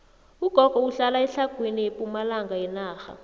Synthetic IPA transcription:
uɡ̥ʱɔɡ̥ʱɔuɬalaɛɬaɡ̥ʱwiniepʼumalaŋɡʱaɛnaːxa̰

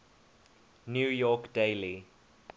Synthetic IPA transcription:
njuːjɔkdeɪli

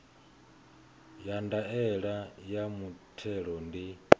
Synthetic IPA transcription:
jandaɛɺajamutʰɛɺɔndi

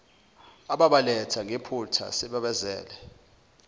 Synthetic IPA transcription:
aɓaɓalɛtʰaŋʱepʰutʰa̰sɛɓɛɓɛzɛ̰ːlɛ

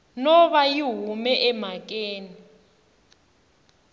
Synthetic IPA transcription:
nɔβajiɦumɛʔɛm̤ak̬ʼeːni

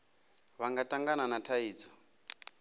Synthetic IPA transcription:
βaŋɡatʼaŋɡananatʰaiːt͡sɔ̥

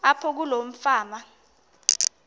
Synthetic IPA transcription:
apʰɔk̬ulom̩faːma

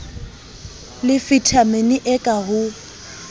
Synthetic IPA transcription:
lɪfitʰameniʔɛkʼaɣʊ

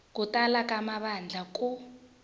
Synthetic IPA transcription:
kutalakamaɓand͡ɮʱakʼu

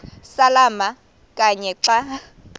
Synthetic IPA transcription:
salama | kʼaɲɛǁa

